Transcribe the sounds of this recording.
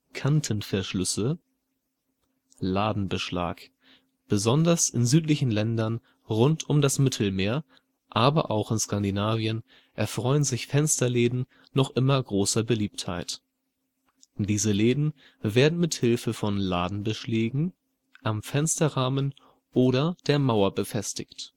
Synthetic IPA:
kʰantʰənfɛɐʃlʏsə | laːdn̩bəʃla̰ːk | b̥əzɔndɐsɪ̰nzyːtlɪçn̩lɛndɐn | ʁʊntʰʊmdasmɪtʰl̩meːɐ | ʔaːbɐ̰ʔaʊxɪnskandinaːviən | ʔɛɐfʁ̥ɔʏənzɪçfɛnstɐleːdn̩ | nɔχʔɪmɐɡʁoːsɐbəliːptha̰ɪt | d̥iːzəleːdn̩ | veːɐdn̩mɪthɪlfəfɔnla̰ːdn̩bəʃleːɡŋ̩ | ʔamfɛnstɐʁaːmən | ʔoːɾɐd̥eːɐmaʊɐbəfɛstɪçt

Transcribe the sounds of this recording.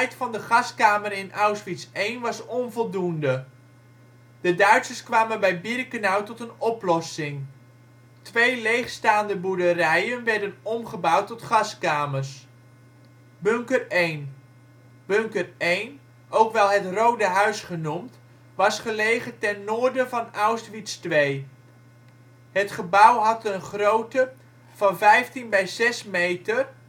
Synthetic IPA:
ɛjtfɑndəχɑskaːmərɪnʔawsfitsejnʋɑsɔnvɔlˠdundə | d̥ədœɥtsəskʋaːmənbɛjbirkənawtɔtənɔplɔsɪŋ | tʋejlejχstaːndəbudərɛjənʋɛɹdənɔmχəbʌwtːɔtχɑskaːmərs | bøŋkərejn | b̥øŋkərejn | owkʋɛlˠɦətrowdəɦœɥsχənumt | ʋɑsχəlejχətɛnːoːrdənvɑnawstʋistʋej | hətχəbawɦɑtənχrowtə | v̥ɑnvɛjftinbɛjzɛsmejtər

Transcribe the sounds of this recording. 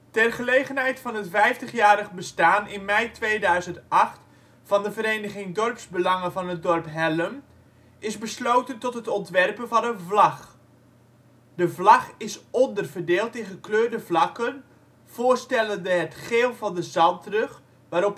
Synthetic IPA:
tɛrχəlejχənɦɛjtfɑnətfɛjftəχjaːɾəχbəstaːnɪnmɛjtʋejdœɥzəntʔɑχt | fɑndəvəɾejnəχɪŋdɔrpsbəlɑŋəvɑnɦət̚dɔrpɦɛləm | ɪzbəslowtəntɔtɦətɔntʋɛrpənvɑnənvlɑχ | dəvlɑχɪsɔndərvərdeːlˠtɪnχəkløːrdəvlɑkən | v̥ʊːrstɛləndəɦətχeːlˠvɑndəzɑltrɵχ | ʋaːɾɔp

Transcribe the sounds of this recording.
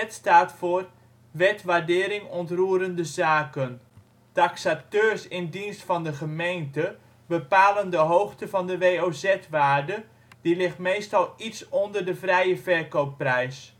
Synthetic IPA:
ɛtstaːtfʊːr | ʋɛtʋaɹdɪːɾɪŋɔntruːɾəndəzaːkən | taksatøːɹsɪndinstfɑndəχəmejntə | bəpaːləndəɦowxtəvɑndəʋejoːzɛtʋaːrdə | dilɪχtmejstɑlˠitsɔndərdəvrɛjəvɛɹkowpːrɛjs

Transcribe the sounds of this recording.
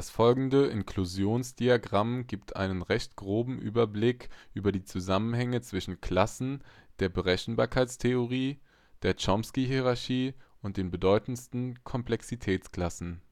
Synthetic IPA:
d̥asfɔlɡŋ̩dəʔɪnkʰl̥uzjoːnsd̥iaɡʁamɡiːp̚tʰʔa̰ɪnənʁɛçtɡ̥ʁoːbm̩ʔy̰ːbɐblɪkʔyːbɐdiːt͡suzamənɦɛŋət͡sv̥ɪʃn̩kʰl̥asn̩d̥eːɐbəʁɛçn̩baːɐkʰaɪt͡stʰeoʁ̞iː | d̥eːɐt͡ʃɔmskiɦiʁaɐçiːʊnt̚d̥eːnbədɔʏtn̩stn̩kʰɔmplɛksitʰɛːt͡skl̥asn̩

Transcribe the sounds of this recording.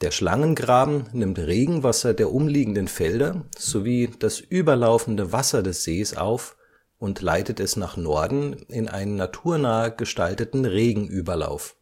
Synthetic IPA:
d̥eːɐʃla̰ŋənɡʁaːbm̩nɪmtʁeːɡŋ̩vasɐdeːɐʔʊmliːɡŋ̩dənfɛldɐz̥oviːd̥asʔyːbɐlaʊfn̩dəvasɐdɛsz̥eːsʔa̰ʊf | ʊntʰla̰ɪtətɛsnaːχnɔɐdn̩ɪnʔa̰ɪnənːatʰuːɐnaːəɡ̥əʃtaltətn̩ʁeːɡŋ̩ʔyːbɐla̰ʊf

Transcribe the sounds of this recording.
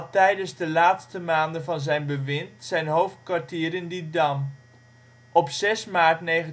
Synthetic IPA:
tɛjdənzdəlaːtstəmaːndənvɑnzɛjnbəʋɪntsɛjnɦowft̚kʋaɹtiːɾɪndidɑm | ʔɔpsɛsmaːɹtnejχə

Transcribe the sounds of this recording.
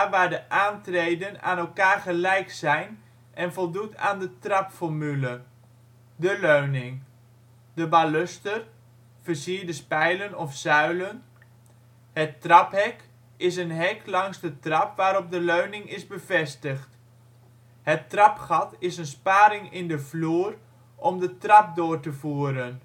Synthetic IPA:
ʋaːɹdəʔaːntrejdəna̰ːnɛlˠkaːɹχəlɛjksɛjn | ʔɛnvɔlˠduta̰ːndətrɑpfɔɹmylə | dəløɥnɪŋ | dəbalɵstər | v̥əɹsiːɹdəspɛjlənɔfsœɥlən | hətrɑphɛk | ɪs̬ənɦɛklɑŋzdətrɑpʋaːɾɔp̚dəløɥnɪŋɪzbəvɛstəxt | hətrɑpχɑtɪsənspaːɾɪŋɪndəvluːər | ʔɔmdətrɑp̚doːrtəvuəɾən

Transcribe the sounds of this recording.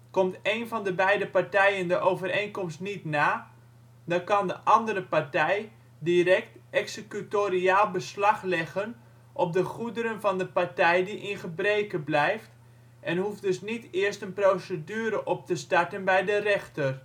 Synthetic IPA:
kɔmteːnvɑndəbɛjdəpartɛjəndəʔowvərejnkɔmstnitnaː | dɔkɑndəʔɑndəɾəpartɛj | diɾɛk̚tɛksəkytoɾiaːlˠbəslɑxlɛɣən | ʔɔp̚dəχudəɾənvɑndəpaɹtɛjdiʔɪnχəbreːkəblɛjft | ʔɛnhufdɵsnitɪərstənprowsədyːɾəʔɔp̚təstaɹtənbɛjdərɛxtər

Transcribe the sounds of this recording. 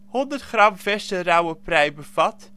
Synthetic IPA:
hɔndərtχrɑmvɛstərawəprɛjbəv̥ɑt

